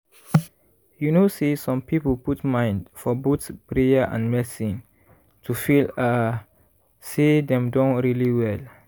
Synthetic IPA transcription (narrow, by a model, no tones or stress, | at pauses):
junosesɔ̃mpipəlputmãɪ̃ndfɔbotspɹeəʔã̰nmɛsi | tʰufila | sedɛ̃mdɔ̃nɹiliwɛl